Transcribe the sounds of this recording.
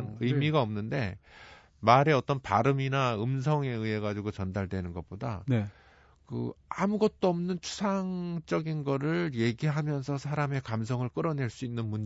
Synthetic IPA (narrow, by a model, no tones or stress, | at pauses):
nɯjmiɡaʌmnɯnde̞ | maɾe̞ʌt͈ʌnpaɾɯminaɯms̬ʰʌŋe̞ɯɦe̞ɡad͡ʑiɡot͡ɕʌndaɭdwe̞nɯnɡʌp͈oda̰n | kɯ̰amuɡʌt̚t͈oʌmnɯnt͡ɕʰu̥sʰaŋt͡ɕ͈ʌɡinɡʌɾɯɭje̞ɡiɦamjʌnsʰʌsʰaɾame̞kams̬ʰʌŋɯɭk͈ɯɾʌne̞ɭs͈uinːɯnmun